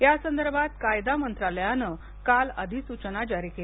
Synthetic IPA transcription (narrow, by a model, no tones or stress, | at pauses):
jasənd̪əɾbʱat̪kajd̪amənt̪ɾaləjanə | kalə̰d̪ʱiːsut͡ɕənad͡ʑaɾiːkel